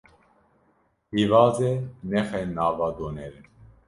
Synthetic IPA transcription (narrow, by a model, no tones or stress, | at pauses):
hiːvɑːzɛnɛxɛnaːvɑːd̪oːnɛɾɛn